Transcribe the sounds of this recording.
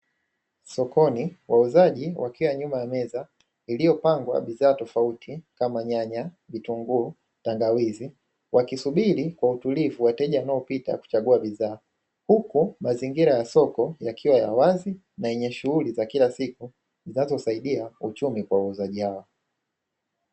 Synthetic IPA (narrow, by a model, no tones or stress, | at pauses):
sɔkɔniwʔauzaʄiwʔakiwaɲumajamɛza | ilijɔpaŋɡwa̰ɓiðaːtɔfautʰikamaɲaɲa | vituŋɡu | taŋɡawizi | wʔakisuɓiɾikwautulivuwatɛʄawanaɔpita̰ku̥t͡ʃaɠuaɓiðaː | hukumaziŋɡiɾajasɔkɔjakʰiwajawazi | naɛɲɛʃuhulizakilasiku | zinazɔusaiɗiaut͡ʃumikwawauzaʄihawa